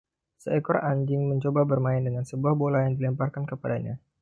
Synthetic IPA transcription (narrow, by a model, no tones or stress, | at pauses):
səɛkɔɾaɲd͡ʒɪŋməɲt͡ʃobabərmaɪndəŋansəbuahbolajaŋdilimparkankəpadaɲa̰